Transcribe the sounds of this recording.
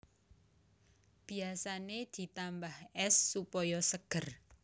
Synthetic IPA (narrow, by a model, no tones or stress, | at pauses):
b̥i̤asaned̪̥i̤t̪ambahɛsːupɔjɔsəɡ̥ər